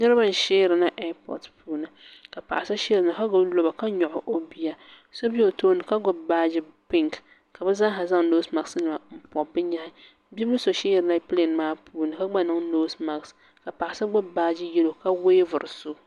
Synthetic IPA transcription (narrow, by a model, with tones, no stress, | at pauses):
nɨ˦ɾɨ˦ba˦˨n˨ʃeː˦ɾɨ˨na˦ʔɛ˦pɔ̰˨tpuː˦nɨ˨ka˨pa̰˨ʔa˨sa˦ʃe˦ɾɨ˨na˨ka˦ɡʊ˨blo˨ba˨ka˦ɲɔ˨ʔʊ˨ʔo˦bi˦ja˦ | so˦bi˦o˨toː˦nɨ˨ka˦ɡʊ˨bbaː˦d͡ʒɪ˦pɪ˦ŋk | ka˨bɛ˦za˦ɦa˨za˦ŋnoː˦sma˨snɨ˨ma˨m̩˦pɔ˨bɨ˦ɲa˦hɪ˦ | bi˦mʊ˦so˨ʃeː˦˨ɾɨ˨na˦pi˦le˨n˨maː˦puː˦nɨ˨ka˦ɡ͡ba˦nɨ˦ŋnoː˦sma˨ks | ka˨pa˨a˨sɨ˦ɡ͡bʊ˦bbaː˦d͡ʒɪ˦jɛ˦lo˨ka˦we˦vʊ˨ɾɨ˨so˦